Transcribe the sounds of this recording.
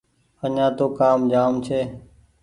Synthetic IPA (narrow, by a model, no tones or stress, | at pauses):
əɲãːt̪oːkaːmd͡ʒaːmt͡ʃʰeː